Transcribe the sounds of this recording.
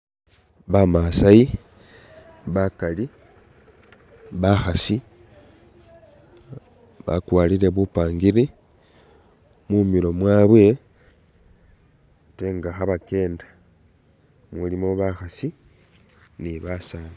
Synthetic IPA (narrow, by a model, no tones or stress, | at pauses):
βamasaji | βakali | βaxasi | βa̰kwaːlile̞βupaːŋɡiɾi | mumiɾo̞mwaːβwe̞ | teŋɡaxaβake̞ːndḁ | mulimo̞βaxasi | niβasaːna